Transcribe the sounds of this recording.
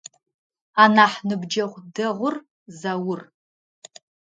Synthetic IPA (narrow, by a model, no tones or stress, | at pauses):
anaħnɨbd͡ʒaχʷdɨʁʷʊr | zawʊr